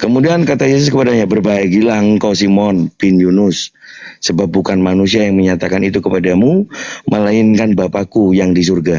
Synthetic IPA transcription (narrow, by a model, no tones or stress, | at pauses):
kəmudiankat̪ajes̬ʊs̬kəpadaɲabərbaɛɡilahəŋkɔsimɔnpɪnjunʊsː | əbap̚bukanmanus̬iajaŋməɲat̪akanit̪ukəpadamuməlaɪnkanbapakujaŋdis̬urɡa